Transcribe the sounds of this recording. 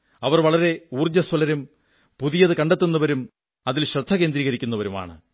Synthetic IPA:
ɐʋɐrʋɐɭɐɾe̞uːrd͡ʑɐswɐlɐɾum | puðijɐðɨkɐɳɖet̪ːunːɐʋɐɾum | ɐðilɕrɐd̪ʱːɐɣe̞ːnd̪ɾiːɣɐɾikʲːunːɐʋɐɾuma̰ːɳɨ̰

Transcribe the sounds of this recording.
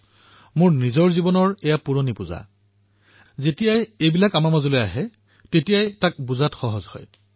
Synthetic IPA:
mʊɹnizɔɹzibɔnɔɹejapuɹonipuza̰ | zetijajejbilakamaɹmazolojaɦɛ | tetijajtak̚buzatxɔɦɔzhɔ̰j

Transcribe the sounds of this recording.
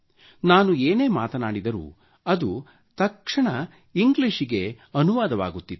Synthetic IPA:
naːnueːne̞ːmaːt̪ɐnaːɽid̪ɐɾṵː | ɐd̪u | t̪ɐkʂɐɳɐ | iŋɡliʂiɡe̞ | ɐnuʋaːd̪ɐʋa̰ːɡut̪ːit̪ː

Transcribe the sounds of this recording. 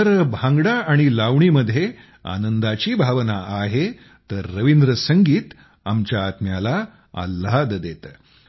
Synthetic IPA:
əɾbʱãŋɡɽaaɽ̃ilaʋɳ̃iːməd̪ʱje | a̰nənd̪at͡ɕiːbʱaʋnaaɦe | t̪əɾːəʋind̪ɾəsəŋɡiːt̪ | amt͡ɕjaːt̪mjala | a̰lːad̪d̪et̪ə

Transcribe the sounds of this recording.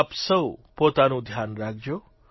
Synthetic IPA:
psʌwpot̪anũd̪ʱjanɾak̚d͡ʒo

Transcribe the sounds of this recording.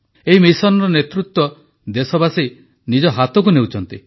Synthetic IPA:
eɦimisɔnɔɾɔnet̪ɾut̪wɔ | d̪esɔbasi | nid͡ʒɔɦat̪ɔk̬unewt͡ʃʰɔnt̪i

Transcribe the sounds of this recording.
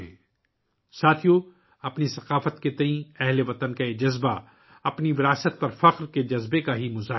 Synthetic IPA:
ẽː | saːt̪ʰijo | ɐpnisɐqaːfət̪ket̪ɐĩɛɦleʋɐt̪ənkaed͡ʒɐzba | ɐpniʋɪɾaːsət̪̚pɐɾfɐqɾked͡ʒɐzbekaɦimʊzaː

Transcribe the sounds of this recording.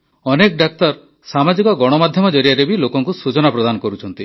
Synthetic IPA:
ɔnekɖak̚t̪ɔɾ | samad͡ʒikɔɡɔɽ̃ɔmad̪ʱjɔmɔd͡ʒɔɾijaɾebilokɔŋkusut͡ʃɔnapɾɔd̪anɔkɔɾut͡ʃʰɔnt̪i

